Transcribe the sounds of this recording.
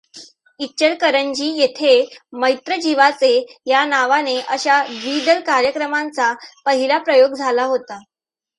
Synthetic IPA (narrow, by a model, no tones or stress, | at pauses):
it͡ɕəɾkəɾəɲd͡ʑiːjet̪ʰeməjt̪ɾəd͡ʑiʋat͡sejanaʋaneʔəɕad̪ʋid̪əlkaɾjəkɾəmãnt͡sapəɦilapɾəjoɡd͡zʱalaɦot̪a